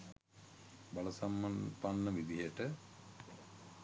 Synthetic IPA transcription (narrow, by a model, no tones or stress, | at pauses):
baləsamːanpanːəʋid̪iɦəʈə